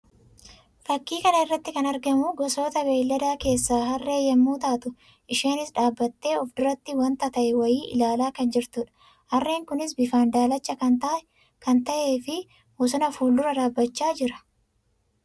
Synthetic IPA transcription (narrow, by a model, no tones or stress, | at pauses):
fɐkːiːkɐnɐɪrːɐt̪ːɪkɐnɐɾɡɐmʊɡɔso̞ːt̪ɐbe̞ːlːɐd̪aːke̞ːsːaːɦɐrːe̞ːjːɐmːuːt̪aːt̪ʊ | ʔɪʃe̞ːnɪsᶑaːbːɐt̪ːe̞ːɔfd̪ʊɾɐt̪ːɪwɐnt̪ɐt̪ɐʔɛwɐjiːʔɪ̰laːlaːkɐnd͡ʒɪɾt̪ʊᶑɐ̥ | hɐrːe̞ːŋkʊnɪsbɪfaːnd̪aːlɐt͡ʃʼːɐɐ | kɐnt̪ɐʔe̞ːfɪ | mʊsʊnɐfuːld̪ʊɾɐᶑaːbːɐt͡ʃːaːd͡ʒɪɾɐ̥